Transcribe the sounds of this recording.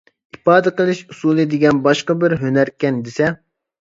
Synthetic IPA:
ipɑːd̪ɨqəlˠɨʃusulˠɨd̪ɪɡʲɛnbɑʃqɑbɪɾɦønæɾkʲɛnd̪ɪsɛ

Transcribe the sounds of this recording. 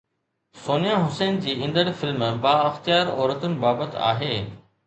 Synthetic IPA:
soːnijaɦʊseːnd͡ʑiːɪ̃nd̪əɽfɪlmbaːɐxt̪ɪjaːɾɔːɾət̪ʊnɪ̆baːbət̪a̰ːɦeː

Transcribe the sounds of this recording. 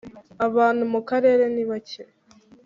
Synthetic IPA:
aβaːnhumukaɾe̞ːɾe̞niβace

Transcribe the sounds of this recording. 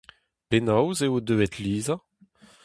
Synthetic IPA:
penawzeod̪øːɛt̪liːza

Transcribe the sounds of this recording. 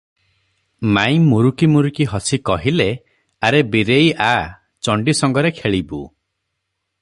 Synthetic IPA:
maj̃muɾukimuɾukiɦɔsikɔɦile | aɾebiɾeja | t͡ʃɔɳɖisɔŋɡɔɾekʰeɭibṵ

